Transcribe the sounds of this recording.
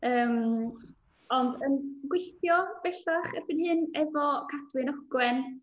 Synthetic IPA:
əːm | ɔndənɡwɪθjɔb̥ɛɬaχərbɪnhɨnɛvɔkʰad̥wɪnɔɡ̥wɛn

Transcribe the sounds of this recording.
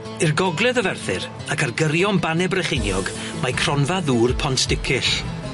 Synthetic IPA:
ɪrɡɔɡlˠɛðəvɛrθɪ̰ɾ | akʰarɡəɾjɔnbanɛbrɛχenjɔɡ | majkʰr̥ɔnvaðuːrpʰɔntʰd̥ɪkʰɪɬ

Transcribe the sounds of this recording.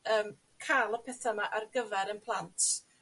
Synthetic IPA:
əːm | kʰalˠəpʰɛθamaʔarɡəvɛɾənpʰlˠantʰ

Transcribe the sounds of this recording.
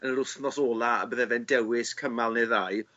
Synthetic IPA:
ənɾʊθnɔsoːlˠaa̰bəðɛvɛndɛwɪskʰəmalˠneðaj

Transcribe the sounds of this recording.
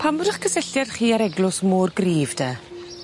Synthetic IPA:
pʰamrəχkʰəsɛɬjɛrχiːaɾɛɡlʊsmʊːrɡriːvdɛ

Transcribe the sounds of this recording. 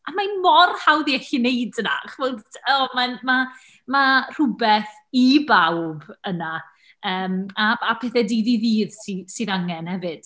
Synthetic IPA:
amajnmɔrhawðiɛɬinejdna̰χvodʰɔmanma | mar̥ʊbɛθ | ibawbəna | əːmaapʰɛθɛdiðiðiːðsisiðaŋɛnhɛvɨd̥

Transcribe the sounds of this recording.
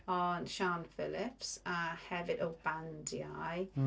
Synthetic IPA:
ɔnʃanfɪlɪpsəhɛvɪdowbandiaj

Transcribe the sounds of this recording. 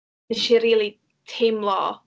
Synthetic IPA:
nɪʃiɾiːlˠi | tʰemlˠɔ

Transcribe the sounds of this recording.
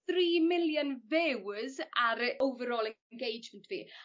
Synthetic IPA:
θriːmɪljənvɛwzaɾowvəɾɔlˠə | nɡejd͡ʒməntʰv̥ḭː

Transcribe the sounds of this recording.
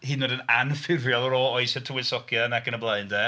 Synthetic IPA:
hɨːnoːdənanfɪvjɔlˠɔɾɔɔɨsətʰuwɪsɔkʰjanakənəblˠaɨndɛ

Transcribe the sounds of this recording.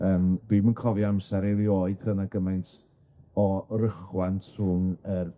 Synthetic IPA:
əːmd̥wiːmənkʰɔviamsaɾelˠjoɨd̚ənaɡəmajntʰ | ɔrəχwantsuːŋər

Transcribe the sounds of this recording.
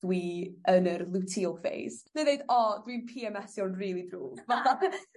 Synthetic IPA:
wiənərlˠutʰilˠkvḛjz̥neðejdɔdwinpʰiɛmɛsjɔnriːlˠidruːvaθa

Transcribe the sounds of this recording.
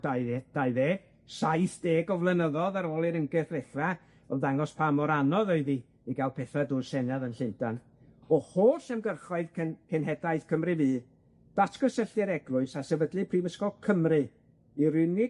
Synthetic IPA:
ad̥aɨðeː | sajθd̥eːɡɔvlˠənəðɔðaɾoːlˠiɾəŋɡɨθvɛɬva | ɔmdaŋɔspʰamɔɾanɔðoɨði | iɡalˠpʰɛθadʊːrsɛnaðənɬɪndan | ɔhoːɬɛmɡərχɔɨðkʰɛnkʰɛnɦɛdaɨð̥kʰəmrɨviː | d̥atʰɡ̥ɔsəɬɛɾɛɡlˠʊɨsasɛvədlˠɨpʰriːməskɔlˠkʰəmrɨ | iɾɨnɪ

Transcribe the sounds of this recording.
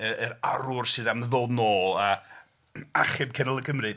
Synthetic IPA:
əəɾaɾʊrsɨːðamðɔnɔːa | aχɪmkʰɛnlˠəɡʰəmrɨ

